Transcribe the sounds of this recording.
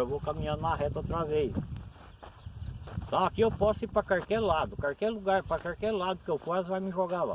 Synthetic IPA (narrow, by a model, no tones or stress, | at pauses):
ewvokamĩɲɐ̃nd̪nɐɦɛt̪ɐot̪ɾɐvejs | ẽt̪ɐ̃w̃akiewpɔsʊipɾɐkaɾkɛɾlad̪ʊkaɾkɛɾluɡaɾpɾɐkaɾkeɾlad̪ʊkɪewfasvajmɪʒoɡala̰